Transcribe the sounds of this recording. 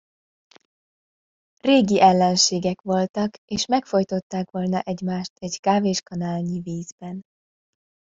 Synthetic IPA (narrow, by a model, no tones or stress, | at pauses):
reːɡiʔɛlːɛnʃeːɡɛkʋo̞lt̪ɒkeːʃmɛkfo̞jt̪o̞t̪ːaːkʋo̞lnɒʔɛɟmaːʃt̪ɛɟkaːveːʃkɒnaːlɲiviːzbɛn